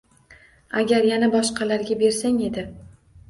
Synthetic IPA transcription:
aɡʲaɾjanabɒʃqʰɑlaɾɡʲabe̞ɾsaŋe̞d̪ɪ

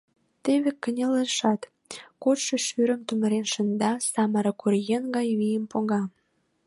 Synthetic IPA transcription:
t̪eβekːə̆nʲeleʃɑt̪ | kot̪ʃə̆ʃyɾə̆mt̪umə̆ɾenʃə̆nd̪ɑsɑməɾə̆kuɾjenɡɑjβijəmpoɣɑ

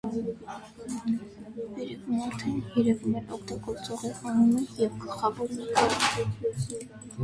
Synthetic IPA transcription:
bɛɾɛkumɑɾt̪ʰɛnjɛɾɛvumɛnʔɔkʰt̪ɑɡɔɾt͡sɔʁɛɑnumɛjɛvɡəlχɑvɔɾɛɑɾ

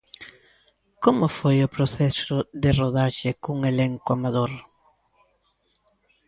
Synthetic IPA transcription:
komʊfojʊpɾoθɛsʊd̪ɪroðaʒekuŋelẽŋkwamaðoɾ

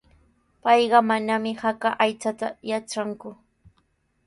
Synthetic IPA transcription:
pɑjɢɑmanamɪhakaʔajt͡sat̪ajat͡ʃaŋkʊ

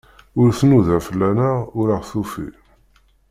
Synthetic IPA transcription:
ʊɾθnuðæfəlːænæʊɾaʁθufḭ

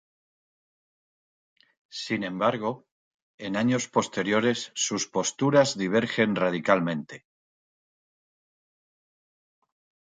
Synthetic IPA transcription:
sinẽ̞mbaɾɣ̞o̞ | e̞naɲo̞spo̞st̪e̞ɾjo̞ɾe̞sːuspo̞st̪uɾazðiβ̞e̞ɾxe̞nrað̞ikalmẽ̞nt̪e̞

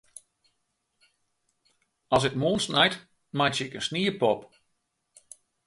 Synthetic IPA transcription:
ɑsɪtmoːnsnajt | majtsəɪkənsniːəpɔp

